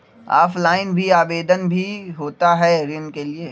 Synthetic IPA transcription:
a̰ːflaːɪnbʱiaːbeːd̪ənbʱiɦoːt̪aɦɛːɾɪnkelieː

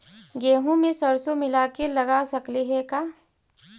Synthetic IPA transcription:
ɡeːɦõmẽsɐɾsomɪlaːkelɐɡasɐkliɦɛkaː

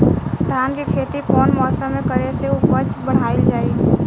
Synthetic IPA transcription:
t̪aːnkikʰeːt̪ikɔːnmɔːsəmːẽkəɾeseʊpət͡ʃbəɽ̤aːɪld͡ʒaːi

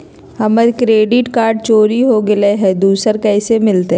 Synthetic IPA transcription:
hɐməɾkɾeːɖɪʈkaːɾɖ̚t͡ʃoːɾiɦoɡɪleɦɛd̪uːsəɾkɛːsemɪlt̪e

